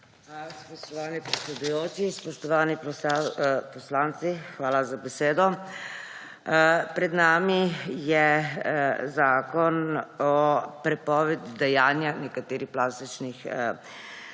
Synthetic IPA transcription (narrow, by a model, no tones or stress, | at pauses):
xʋaːlaspɔʃt̪ɔʋaːnipɾɛt̪sʲɛd̪ujoːt͡ʃispɔʃt̪ɔʋaːnipɔ | pɔslaːnt̪sixʋaːlazabɛseːd̪ɔ | pɾɛd̪naːmijɛ | zaːkɔnɔpɾɛpɔːʋɛd̪id̪ɛjaːnjanɛkat̪eːɾixplaːst̪it͡ʃnix